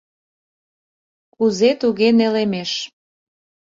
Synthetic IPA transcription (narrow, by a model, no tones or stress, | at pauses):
kuzet̪uɣenelemeʃ